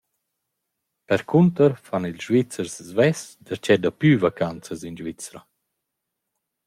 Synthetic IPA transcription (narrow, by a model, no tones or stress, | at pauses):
pɛɾkʰunt̪əɾfanilʒvit͡səɾszvɛsd̪əɾt͡ʃɛd̪apyvakant͡səzinʒvit͡sɾa